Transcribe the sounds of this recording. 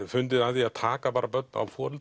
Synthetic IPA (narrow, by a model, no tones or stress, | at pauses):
fʏnt̪̬ɪðat̪iaðt̪ʰaːkapaːɾabœt̪̚na̰wfɔːɾʏlt̪